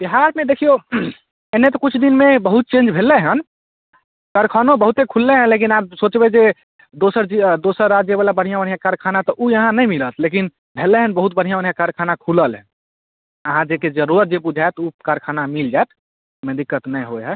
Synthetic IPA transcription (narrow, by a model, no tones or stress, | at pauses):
biɦaɾmẽd̪ekʰijo | enːet̪ɔkut͡ʃʰd̪inmebəɦut̪̚t͡ʃẽnd͡ʒbʱelːeɦən | kaɾkʰanõbəɦut̪ekʰulːeɦɛ̃lek̬inabsot͡ʃbed͡ʒe | d̪osəɾd͡ʒid̪osəɾːad͡ʒjəbalabəɽ̤ijãbəɽ̤ijãkaɾkʰanat̪ɔʔujəɦãnəj̃milət̪ʰlekin | bʱeleɦənbəɦut̪̚bəɽ̤ijãbəɽ̤ijãkaɾkʰanakʰuləlɦɛ̃ | əɦãd͡ʒeked͡ʒəɾuɾət̪̚d͡ʒebud͡ʒʱaet̪ukaɾkʰanamild͡ʒaet̪ʰ | mẽd̪ikːət̪nəjɦoɦɛ